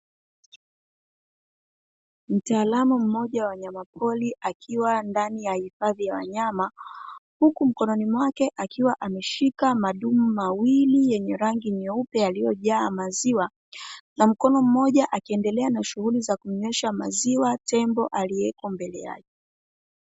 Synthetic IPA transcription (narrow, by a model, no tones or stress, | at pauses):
m̩taːlamum̩mɔʄawaɲamapʰɔliʔakʰiwandanijahifaðijawa̰ɲamahukum̩kɔnɔnimwakɛʔakiwaʔamɛʃikamaɗum̩mawilijɛɲɛɾaŋɡiɲɛupɛalijɔʄaːmaziwa | nam̩kɔnɔm̩mɔʄaʔakiɛndɛlɛanaʃuhulizakumɲɛʃama̰ziwatɛmbɔʔaliɛkɔmbɛlɛja̰ʄɛ